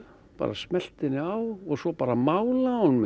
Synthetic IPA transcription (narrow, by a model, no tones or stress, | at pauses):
pa̰ːɾasmɛl̥t̪ɪnːɪawɔɣsɔpaːɾamaːwlanm